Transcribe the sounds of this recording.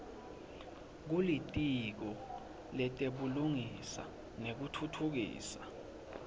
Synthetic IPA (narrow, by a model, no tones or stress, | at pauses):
k̬ulitʼik̬ɔ | lɛtʼeɓuluŋisa̰ | nek̬utʰutʰuk̬ḭːsa